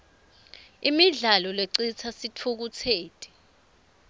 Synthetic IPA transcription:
imiɮalɔleǀit͡sʰasitʰuk̬ut͡sʰeːtʼi

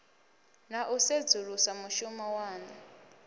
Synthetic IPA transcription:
naʔused͡zuɺusamuʃumawaːna

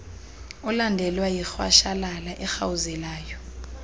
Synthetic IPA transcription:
ɔlandʱɛlwajixwa̰ʃalalaʔɛxawuzɛlaːjɔ

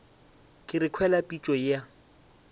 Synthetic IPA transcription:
kʼɪrɪkʰwɛlapʼit͡ʃʼɔa

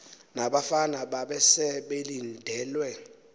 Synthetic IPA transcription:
naɓafanaɓaɓɛsɛɓelindʱɛːlwɛ

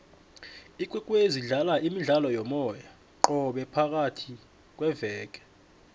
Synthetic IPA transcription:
ik̬ʼwukʼweziɮalaʔimiɮalɔjɔmɔja | ǃɔɓɛpʰak̬ʼatʰi | k̬ʼwɛvɛːk̬ʼɛ̥

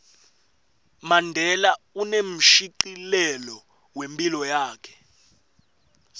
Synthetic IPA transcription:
mandʱɛlaunem̩ʃiǃilɛlɔ | wempʼilɔjaːkʰɛ̥

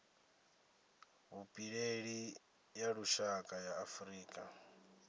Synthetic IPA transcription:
βupʼiɺeɺi | jaɺuʃakʼajaːfuɾiːkʼa

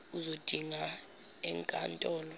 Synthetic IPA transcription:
uzod̥ʱiŋa | ɛŋkʼantʼɔːlɔ

